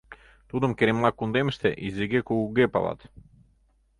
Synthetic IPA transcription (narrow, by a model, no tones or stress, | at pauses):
t̪ud̪ə̆mkeɾemlˠakund̪emʃt̪ḛʔizʲeɡekuɡuɡepa̰lˠa̰t̪